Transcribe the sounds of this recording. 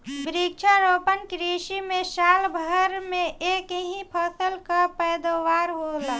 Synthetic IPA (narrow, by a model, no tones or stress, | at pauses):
bɾik̚t͡ʃʰəɾopənkɾiʃimẽsalbʱəɾmẽekɦĩpʰəsəlkəpəjd̪əwaɾɦola